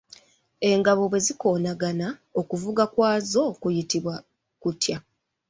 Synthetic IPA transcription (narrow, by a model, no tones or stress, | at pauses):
e̞ŋɡaβo̞βwe̞ziko̞ːnaɡanao̞kuvuɡakwaːzo̞kujitiβwa | kutja